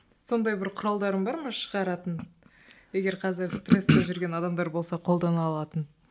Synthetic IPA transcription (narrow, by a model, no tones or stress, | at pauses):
so̞nd̪ɑjbɪɾqʰʊɾɑlˠd̪ɑɾəmbɑɾmɑʃəʁɑɾɑt̪ənje̞ɡʲe̞ɾqʰɑzɪɾst̪re̞st̪eʒʏɾɡʲe̞nɑd̪ɑmd̪ɑɾbo̞lˠsɑqʰo̞lˠd̪ɑnɑːlˠɑt̪ən